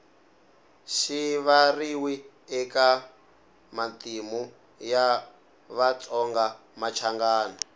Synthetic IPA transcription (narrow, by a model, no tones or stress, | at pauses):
ʃiβariwi | ɛka | matimu | ja | βat͡sɔŋɡa | mat͡ʃʰaŋɡaːnɔ